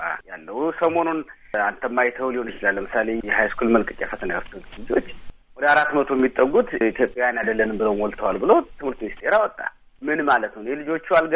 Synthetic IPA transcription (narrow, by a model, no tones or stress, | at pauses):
a̰jalːəhusəmo̞nun | ant̪ʰəmːajt̪ʰəwuliho̞njɪt͡ʃɪlalːəmɨsale̞jɛhajskʰulmənkʼɨt͡ʃʼːɛfət̪ʰənajft̪ʰət̪lɨd͡ʒot͡ʃː | wɔd̪əaɾat̪ːmət̪ʰojɛmːit̪ʼːəɡut̪it̪ʰjo̞pʼːjajanad̪əlːənɨmbɨləwmwɔlt̪ʰəwalbɨləwt̪ʰɨmhɨɾt̪minist̪ʰe̞ɾawɔt̪ʼːa̰ | mɨnmalət̪nəjɛlɨd͡ʒo̞t͡ʃːualɡ